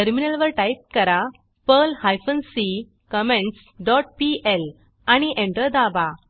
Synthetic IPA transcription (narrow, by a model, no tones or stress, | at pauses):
əɾminəlʋəɾʈaip̚kəɾa | pəlhajfənsi | kəmẽɳʈs | ɖɔʈ̚piel | aɽ̃iʔẽɳʈəd̪aba